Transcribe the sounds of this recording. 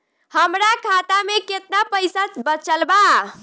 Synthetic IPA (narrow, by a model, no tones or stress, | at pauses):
həmɾakʰat̪ameket̪napəjsat͡ʃbət͡ʃəlba